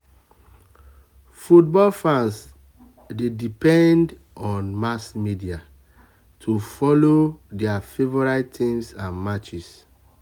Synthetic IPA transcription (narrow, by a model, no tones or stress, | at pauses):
fut̚bɔlfãns | dedipɛ̃nd | ɔ̃nmasmidia | tʰufɔlodɛafevɔɹattĩmsãnmat͡ʃis